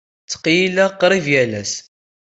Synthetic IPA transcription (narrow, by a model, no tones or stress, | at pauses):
t͡sːə̥qːjilæqːɾˤivjælæs